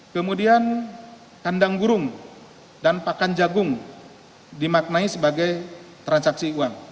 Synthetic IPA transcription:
kəmudian | kandaŋɡuɾʊŋ | danpakand͡ʒaɡʊŋ | dimak̚naisəbaɡajt̪ɾansaksiuaŋ

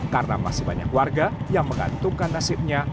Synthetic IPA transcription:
kaɾəna̰ma̰sɪhbaɲa̰kwarɡajaŋməŋɡa̰nt̪ukanːasɪp̚ɲa

